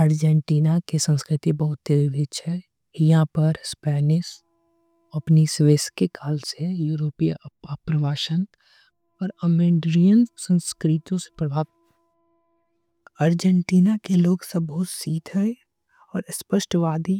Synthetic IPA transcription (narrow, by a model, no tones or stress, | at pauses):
əɾd͡ʒɛɳʈiːnakesə̃nskɾɪt̪ibɐɦʊt̪̚ːeɾʋɪt͡ʃɛ | jɦãpɐɾspɛːnɪʃ | ɐpnisʋeːskekʰaːlsejuːɾoːpijaəpɾəʋaːʃən | pɐɾəmẽːɖɾijənsə̃nskɾɪt̪õse̥pɐɽaːt̪ | əɾd͡ʒɛ̃ɳʈiːnakeloːɡsɐbʊsiːd̪ɦɛ | ɔːɾɪspəʃʈʋaːd̪i